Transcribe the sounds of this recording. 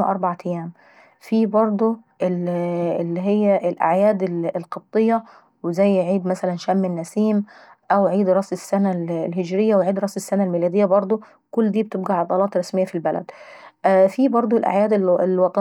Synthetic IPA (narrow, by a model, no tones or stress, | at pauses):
ʔɑɾˤbaʕt̪æjːæːm | fiːbɑɾˤd̪ˤoʔelɪlːiɦejːæʔelʔa̰ʕjæːd̪elelqɑt̪ˤːejːɑ | wezæjːʕiːd̪mæsælænʃæmːɪnːæsiːm | ʔæwʕiːd̪ɾˤɑsesːænællhɪd͡ʒɾɪjːæweʕiːd̪ɾˤɑsesːænælmiːlæːd̪ɪjːæbɑɾˤd̪ˤo | kʊlːd̪iːb̚t̪ɪbɡæʕɑd̪ˤɑlɑːt̪ɾˤɑsmɪjːæfilbælæ̰d̪ | fiːbɑɾˤd̪ˤoelʔa̰ʕjæːd̪eelwɑt̪ˤɑ